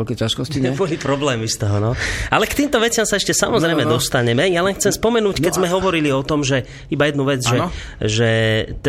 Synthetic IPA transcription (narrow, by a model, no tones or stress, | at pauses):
lkɛcaʃkɔsiɛbɔlipɾɔblɛːmist̪ɔɦɔnɔalɛkt̪iːmt̪ɔʋɛt͡sɪamsaɛʃcɛsamɔzɾɛjmɛd̪ɔst̪aɲɛmɛjalɛnxt͡sɛmspɔmɛnuːckɛzmɛɦɔʋɔɾiliɔt̪ɔmʒɛ | ibajɛd̪nuʋɛd͡zʒɛ | ʒɛt̪